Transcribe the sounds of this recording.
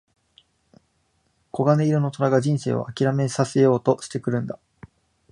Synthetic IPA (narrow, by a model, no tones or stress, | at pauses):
ko̞ɡane̞iɾɯno̞t̪o̞ɾaɡaʑĩɰ̃se̞̰ːβa̰akʲiɾame̞sase̞jo̞ːt̪o̞ɕi̥t̪e̞kɯ̟ɾɯ̟̃nd̪a